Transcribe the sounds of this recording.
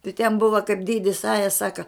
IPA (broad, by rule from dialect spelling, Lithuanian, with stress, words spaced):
tɐɪ tʲɛn ˈbʊʋɐ kɐɪp ˈdʲeːdʲɪs ˈɑːjɛ ˈsɑːkɐ